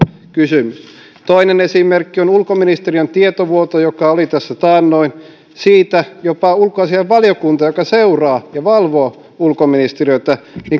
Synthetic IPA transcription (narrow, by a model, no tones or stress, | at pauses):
kysymys | t̪oinenesimerkːionulkominist̪eriont̪iet̪oʋuot̪ojokɑolit̪æsːæt̪ɑːnːoin | siːt̪æjopɑulkoɑsiɑʋʋɑljokunt̪ɑjokɑseurɑːjɑʋɑlʋoː | ulkominist̪eriøt̪æniŋ